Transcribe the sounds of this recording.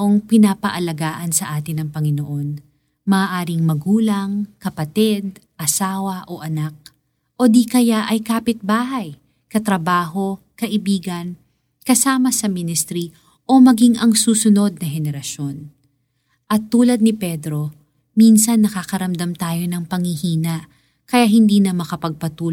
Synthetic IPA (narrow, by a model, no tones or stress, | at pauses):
ʔoŋpɪnaːpɐʔɐlɐɡaːʔɐnsɐʔaːt̪ɪnɐŋpɐŋɪnoʔo̞n | mɐʔaːʔaːɾɪŋmɐɡuːlɐŋkɐpɐt̪id̪̚ | ʔɐsaːwɐʔo̞ʔɐnak̚ | ʔo̞d̪ikɐjaʔɐjkaːpɪt̪̚baːɦɐj | kɐt̪ɾɐbaːho̞kɐʔɪbiːɡɐn | kɐsaːmɐsɐmɪnɪst̪ɾi | ʔo̞mɐɡiŋʔɐŋsuːsʊno̞d̪̚nɐhɛnɛɾɐʃo̞n | ʔɐt̪ːuːlɐd̪̚nɪpɛd̪ɾo̞ | minsɐnːɐkakɐɾɐmd̪ɐmt̪aːjo̞nɐŋpɐŋhihiːnɐʔ | kɐjaʔɦɪnd̪iːnɐmɐkɐpɐɡ̚pɐt̪uːl